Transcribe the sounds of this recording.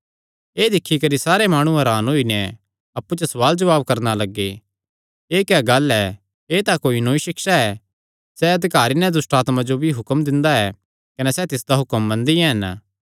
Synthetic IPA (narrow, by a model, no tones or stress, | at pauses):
eːd̪ɪkʰːikɐɾisaːɾemaːɽ̃ũɛ̃ɾaːnɦoinɛ | ɐpːut͡ʃɐsɐʋaːld͡ʒɐʋaːbkɐɾnalɐɡːe | eːkɛɡɐlɛ | eːt̪akoːinoːiʃɪkʃaɛ | sɛɐd̪ɪkaːɾinɛ̃d̪ʊsʈaːt̪mãd͡ʒobʱiɦʊkəmd̪ɪ̃nd̪aɛ | kɐnɛsɛt̪ɪsd̪aɦʊkəmːɐ̃nd̪iɛɦɐn